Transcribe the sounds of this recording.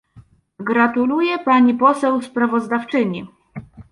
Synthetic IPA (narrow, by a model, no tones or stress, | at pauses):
ɡɾat̪ulujɛpaɲipɔsɛwspɾavɔzd̪aft͡ʂɘɲi